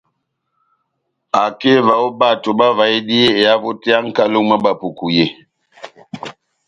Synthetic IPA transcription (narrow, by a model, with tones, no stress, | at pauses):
a˨ke˦va˨o˦ba˦˨to˨ba˦va˨i˦di˦je˦e˨a˦vo˦te˦a˦ŋ̩˦ka˦lo˦ŋma˦ba˨pu˨ku˨je˦˨